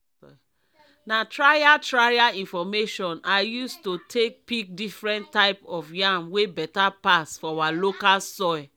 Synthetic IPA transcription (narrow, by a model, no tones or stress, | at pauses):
ɔ | natɹajatɹajaĩnfɔmeʃɔ̃najustotʰek̚pik̚difɹɛ̃naɪpɔfjamwebɛtapasfɔawalokalsɔj